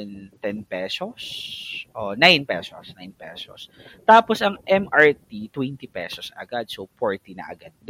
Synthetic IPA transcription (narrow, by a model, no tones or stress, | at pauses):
ɛnt̪ɛnpɛsosʔonajnpɛso̰snajnpɛ̰so̰st̪aːposʔɐŋʔɛmʔɐɹt̪it̪wɛnt̪ipɛ̰sosɐ̰ɡad̪̚sofoɹt̪inɐ̰ʔɐ̰ɡad̪̚ː